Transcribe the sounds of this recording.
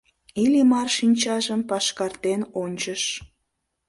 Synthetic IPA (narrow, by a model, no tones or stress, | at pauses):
ilʲimɑrʃinʲt͡ɕɑʒəmpɑʃkɑrt̪enonʲt͡ɕəʃ